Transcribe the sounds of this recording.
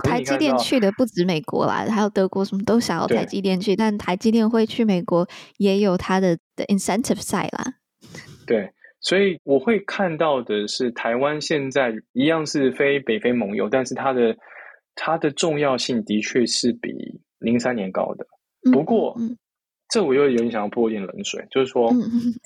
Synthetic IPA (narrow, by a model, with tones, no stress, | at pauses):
t̪ʰa˧˥ɪt͡ɕi˥˧t̪jɛ˥˧t͡ɕʰy˥˩d̪ə˩pu˥˩ʈ͡ʂɻ̩˧˥me˨˩ɪkwɔ̰˧˥lɐ̰˧a˥jɑ˥˩ʊt̪ɤ˧˥kwɔ˥˩ʂə˧˥mə˧t̪o˥ʊɕjɑ˨˩ŋjɑ̰˥˩ʊt̪ʰa˧˥ɪt͡ɕi˥t̪jɛ˥˧nt͡ɕʰy˥˩t̪a˥˩nt̪ʰa˧˥ɪt͡ɕi˥t̪̬jɛ˥˧nxwe˥˧ɪt͡ɕʰy˥˩me˨˩ɪkwɔ˧˥jɛ˧˥jo˨˩ʊt̪ʰa˥d̪ə˨d̪̥ə˨ʔi˨nsɛ˥nt̪ʰɪ˨˩fsa˥˩ɪlɐ̰˩ | t̪we˥˩ɪswɔ˧˥i˨˩wɔ˨˩xwe˥˧ɪkʰa˥˧nt̪ɑ˥˩ʊd̪ə˩ʂɻ̩˥˩t̪ʰa˧˥ɪwa˦nɕjɛ˥˧nt͡sa˥˩ɪi˧˥jɑ˥˧ŋʂɻ̩˥˩fe˥ɪpe˨˩ɪfe˥ɪmɤ˧˥ŋjo̰˨˩ʊt̪a˥˧nʂɻ̩˥˩t̪ʰa˥d̪ə˨ | t̪ʰa˥d̪ə˨ʈ͡ʂʊ˥˧ŋjɑ˥˧ʊɕi˥˩ŋt̪i˧˥t͡ɕʰɥɛ˥˧ʂɻ̩˥˩pḭ˨˩ | li˧˥ŋsa˥njɛ˧˥nkɑ̰˥ʊd̪ə˨˥ | pu˧˥kwɔ˥˧˥ | ʈ͡ʂɤ˥˩wɔ˨˩jo˥˧˨jo˧˩i˧˥ɕɑ˨ŋɑ˥˩pu˧o˧˥˧tjɛ˥˩nlə̰˧˦˥nswḛ˨˩ɪt͡ɕjo˥˧ʊʂɻ̩˥˩ʂwɔ˥˩